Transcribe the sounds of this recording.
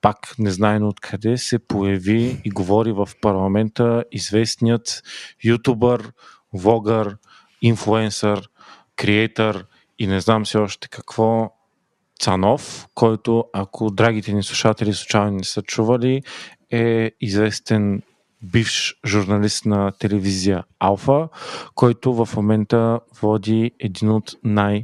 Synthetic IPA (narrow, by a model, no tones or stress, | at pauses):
paknɛznaɛmot̪kʰɐd̪ɛsɛpojɐviːɡovɔɾivɐfpɐɾlˠɐmɛnt̪əizvɛst̪nijət̪jut̪ubəɾ | vˠɔɡəɾ | inflˠuɛnsəɾ | kɾiɛjt̪əɾ | inɛznamsiɔʃt̪ɛ̥kɐkv̥ɔ | t̪sɐnɔfkʰɔjt̪oakʰod̪ɾaɡ̟it̪ɛnislˠuʃat̪ɛlislˠut͡ʃajnnɛsət͡ʃuvəli | ɛizvɛst̪ɛn | bifʃʒuɾnɐlist̪nɐt̪ɛlɛvizijəalˠfəkɔjt̪ʊvɐfmomɛnt̪əvɔd̪iɛd̪inot̪naj